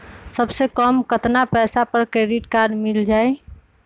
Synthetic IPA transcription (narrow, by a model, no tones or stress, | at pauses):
səbsekəmkət̪napɛsapəɾkɾeɖiʈkaɾɖmild͡ʒaj